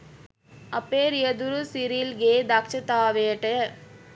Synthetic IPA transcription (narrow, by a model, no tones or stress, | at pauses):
ɐpeɾijɐd̪uɾusiɾilɡeːd̪akt͡ʃɐt̪aːʋeːʈe